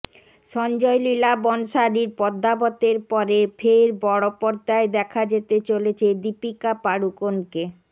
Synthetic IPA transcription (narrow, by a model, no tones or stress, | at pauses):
ʃɔnd͡ʑɔjlilabɔnʃaɾiɾpɔd̪ʱːabot̪eɾpɔɾefʰeɾbɔɽopɔɾt̪aed̪ɛkʰad͡ʑet̪et͡ɕolet͡ɕʰed̪ipikapaɽukonke